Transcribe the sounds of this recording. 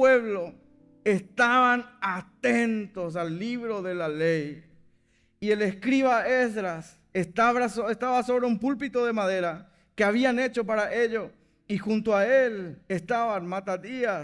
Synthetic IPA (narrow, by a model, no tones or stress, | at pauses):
weβlo | est̪aβanat̪ent̪o̞s̬alːiβɾo̞ðe̞lalej | ie̞leskɾiβaesðɾas | est̪aβɾasoest̪aβaso̞βɾeumpulpit̪oðe̞maðe̞ɾa | keaβianet͡ʃo̞p̬aɾaʔeʎo | ixunt̪oaelest̪aβanmat̪at̪ia